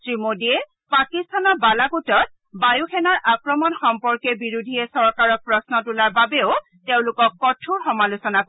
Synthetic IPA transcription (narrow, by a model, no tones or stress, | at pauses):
tɹimodiɛ | pakistʰanɔbalaɡutɔt̚ | bajuxʰɛnaɹʔakɹɔmɔnxɔmpɔɹkɛbiɹudʱijɛsɔɹkaɹɔk̚pɹɔsnɔtulaɹbabeʊ | teʊ̃lʊkɔkːɔtʰuɹxɔmalʊsɔnak